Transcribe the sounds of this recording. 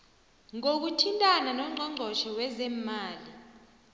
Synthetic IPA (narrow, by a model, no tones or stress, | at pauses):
ŋok̬utʰintʼananɔŋ͡ǀʱɔŋ͡ǀʱɔʃɔwɛzɛmaːli